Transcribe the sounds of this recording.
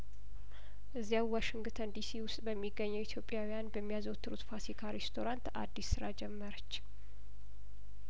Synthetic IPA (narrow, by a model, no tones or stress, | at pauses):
ʔɨzːijawwaʃiŋɡt̪ʰənd̪isiwʊst̪ʼbəmːiɡːəɲːəwit̪ʰjo̞pʼːjawijanbəmːijazowt̪ʰːɨɾut̪fasikʰaɾest̪ʰo̞ɾant̪a̰d̪ːisːɨɾad͡ʒɛmːəɾət͡ʃː